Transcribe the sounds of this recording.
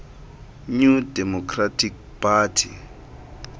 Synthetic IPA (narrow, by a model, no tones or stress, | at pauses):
ɲudɛmɔkʰratʰik̚ | pʰatʰi